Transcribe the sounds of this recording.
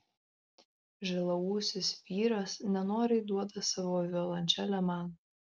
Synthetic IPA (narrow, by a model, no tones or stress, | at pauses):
ʒʲɛlˠɐuːsʲɪsʲpʲiːɾɐsnʲɛnoːɾʲɛɪd̪uɔd̪ɐsɑʋoːʋʲɛlˠɐnʲt͡ʃʲɛlʲɛmɑn